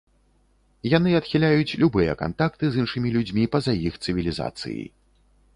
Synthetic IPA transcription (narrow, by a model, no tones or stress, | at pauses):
janɨɐt̪xʲilʲajut͡sʲlʲubɨjɛ̰ka̰nt̪ak̚t̪ɨzɨnʂɨmʲilʲud͡zʲmʲipɐzajixt̪sɨvʲilʲiza̰t̪sɨ̰jḭ